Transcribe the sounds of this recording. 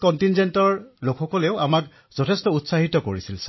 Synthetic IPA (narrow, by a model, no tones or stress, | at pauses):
kɔntinzentɔɹlokxɔkɔleʊamak | z̥ɔtʰɛstɔutsaɦitɔkoɹisilsa